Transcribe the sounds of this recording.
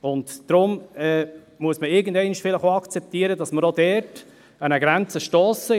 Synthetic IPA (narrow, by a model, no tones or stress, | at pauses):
ʊntd̥ɾʊmɛː | muəsməɪɡən̩dɛɪniʃfɪləχoɑkt͡sɛp̚tiəɾədɑsməɾodɛɾt | ænəɡɾɛnt͡səʃtoːsə